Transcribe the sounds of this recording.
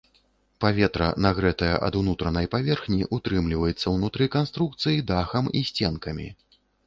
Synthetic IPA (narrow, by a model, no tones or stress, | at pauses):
pavʲɛt̪ɾɐ̰naɣɾɛt̪ɐjɐ̰ʔɐ̰d̪unut̪ɾɐnɐjpavʲɛrxnʲiʔut̪ɾɨmlʲivɐjɛt̪sːɐwnut̪ɾɨkanst̪ɾuk̚t̪sɨjid̪axɐmisʲt͡sʲɛnkɐmʲḭ